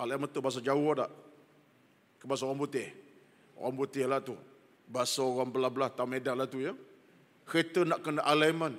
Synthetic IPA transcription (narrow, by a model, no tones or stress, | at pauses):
alamənt̪ubas̬ad͡ʒaʊadaʔ | kəbas̬aoɣaŋbut̪ɪh | o̰ɣaŋbut̪ɪhlat̪u | basaoɣaŋbəlabəlaht̪amedanlat̪ujə | ket̪ənaʔkənaʔalamən